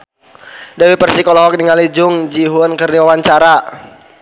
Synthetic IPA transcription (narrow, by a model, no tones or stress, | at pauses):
dawipərsikɔlɔɦɔk̚diŋalid͡ʒʊŋd͡ʒiɦʊnkərdiwawaɲt͡ʃaɾa